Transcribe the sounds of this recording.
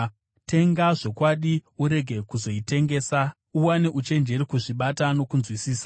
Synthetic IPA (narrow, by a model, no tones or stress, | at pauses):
te̞ŋɡaʐo̞kwaɗiuɾe̞ɡʱe̞kuzo̞ite̞ŋɡe̞ːsa | uwaneʔut͡ʃe̞nd͡ʒe̞ɾikuʐiɓatano̞kunzwisiːsa